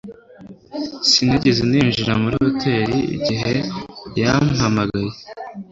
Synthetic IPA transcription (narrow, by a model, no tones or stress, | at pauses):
siniɟezeniːnʒiɾamuɾootʰe̞ːɾiḭɟiɦe̞jamhamaɡaje